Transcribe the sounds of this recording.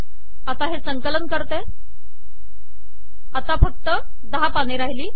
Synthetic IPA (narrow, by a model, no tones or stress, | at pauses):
at̪aɦesəŋkələnkəɾt̪e | at̪afək̚t̪ə | d̪əɦapaneɾaɦiliː